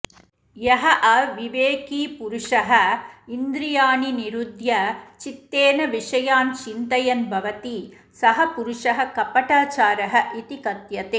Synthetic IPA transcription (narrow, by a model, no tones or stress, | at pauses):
jɐɦɐʔɐʋiʋeːkiːpuɾuʂɐɦɐind̪ɾijaːniniɾud̪ʱjɐt͡ʃit̪ːeːnɐʋiʂɐjaːnt͡ʃint̪ɐjɐnbʱɐʋɐt̪i | sɐɦɐpuɾuʂɐɦɐ̆kɐpɐʈaːt͡ʃaːɾɐɦɐ̆ʔit̪ikɐt̪jɐt̪eː